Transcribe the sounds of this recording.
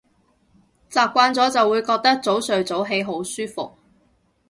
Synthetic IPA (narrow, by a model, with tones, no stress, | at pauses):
t͡saː˨p̚kʷaː˧nt͡sɔː˨˥t͡sɐ˨wːuː˨˧jkɔː˧k̚t̪ɐ˥k̚t͡so˨˥wsɵ˨ɥt͡so˨˥wɦe˨˥jɦo˨˥wsyː˥fʊ̰˨k̚